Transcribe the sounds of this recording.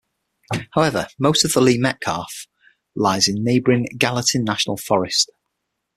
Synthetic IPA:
haʊɛvəmoʊstəvðəliːmɛʔkʰɑˑf | laɪzɪ̃nːeɪbəɹɪ̃ŋɡalətə̃nːaʃənə̰lˠfɒɹɪst

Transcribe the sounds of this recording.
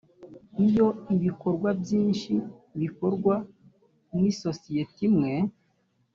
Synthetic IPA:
ijo̞iβiko̞ɾɡwabjiːnʃiβiko̞ɾɡwa | nniso̞sijetimŋe̞

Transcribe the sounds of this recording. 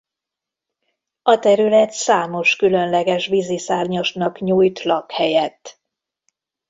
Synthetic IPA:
ɒt̪ɛɾylɛt̪saːmo̞ʃkylø̞nlɛɡɛʃvizisaːrɲoʃnɒkɲuːjt̪lɒkhɛjɛt̪ː

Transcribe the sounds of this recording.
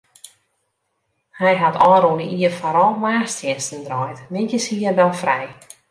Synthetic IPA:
hɛjɦatʰɔːɾunəʔiəfɔɾɔlˠmaːstjɪnstəndrɔjtmɪntəshiərdɔnfrɛj

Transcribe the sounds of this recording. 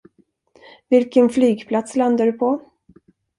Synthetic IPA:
vɪlkənflyːɡpʰlat̪sland̪aɖɵpʰɔ

